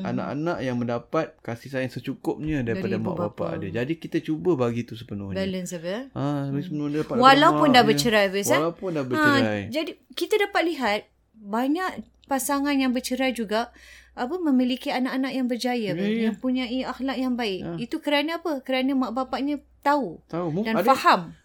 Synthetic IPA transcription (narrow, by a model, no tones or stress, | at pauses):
a̰na̰ʔa̰naʔjaŋmə̃ndapat̪̚kasihsajasət͡ʃukʊp̚ɲə̃daɾipadama̰ʔbapa̰ʔdad͡ʒadikit̪at͡ʃubəbaɡit̪usə̥pənʊhɲbɛlənsabasəpənuɲadapawalaupʊndabət͡ʃəɾajbəsalapʊndabəãajd͡ʒadikit̪adapat̪̚liɦat̪̚ | baɲaʔ | pasaŋanjaŋbərt͡ʃəɾajd͡ʒuɡaːpəmə̃milikianaʔanaʔjaŋbərd͡ʒajəjaŋpuɲãiaxlak̚jaŋbaɪkit̪ukəɾanəapəkəɾanə̃maʔbapaʔɲə̃ | t̪auaudanfaham